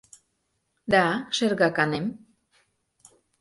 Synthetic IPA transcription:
d̪aʃeɾɣakanem

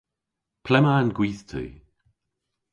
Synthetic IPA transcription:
pʰlɛmanɡwiːθt̪ʰə̰ː

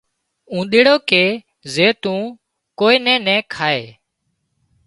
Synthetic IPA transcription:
ũːɗ̪eːɽoːkeː | zeːt̪ũː | koːeːnɛ̃ːnɛ̃ːkʰaːḛː

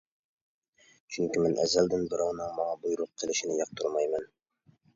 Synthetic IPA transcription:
t͡ɕʰɵŋkʲimɘnʔæ̰zːæld̪ɘnbɘɾæwnɤɴmɒɴɑbujɾuq̚qʰːĭlɘ̆ʃɘ̆nɘjɑq̚t̪ʰuɾmɑjmɘn

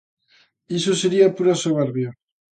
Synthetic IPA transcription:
isoseɾiapuɾasoβeɾβja

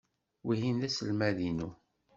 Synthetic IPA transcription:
wihinðæsəlmæðinu

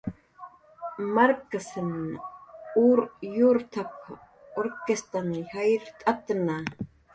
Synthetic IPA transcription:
maɾkasən | uːɾjuɾt̪ʰap | oɾkest̪anhajɾt̪ʼat̪na

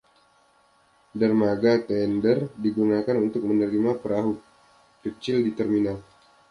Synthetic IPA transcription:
darmaɡat̪ɛndərdiɡunakanunt̪ʊk̚mənəɾimapəɾaɦu | kət͡ʃɪldit̪ərminal

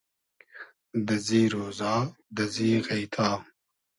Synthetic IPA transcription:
d̪ɐziːɾoːzaːd̪ɐziːɣɐjt̪ʰaː

